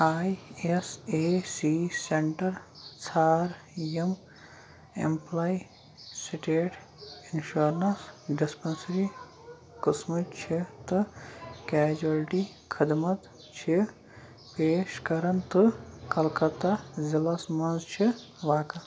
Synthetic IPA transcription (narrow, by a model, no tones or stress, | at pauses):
aːjesesiseɳʈɐɾt͡sʰaːɾ | jem | ḛmplaj | siʈeːʈ | inʃoɾnɐsɖispɐnsɾi | kɨsmut͡ʃʰit̪ɨkɛːd͡ʒɐlʈi | kʰəd̪mɐt̪ | t͡ʃʰi | peːʃkɐɾɐnt̪ɨkɐlkɐt̪azilɐsmɐnzt͡ʃʰi | ʋaːkɐ